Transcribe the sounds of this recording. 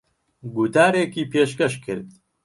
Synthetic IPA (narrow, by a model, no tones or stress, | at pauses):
ɡut̪ʰaːɾeːkiːpʰeːʃkɐʃkʰɨ̰ɾd̪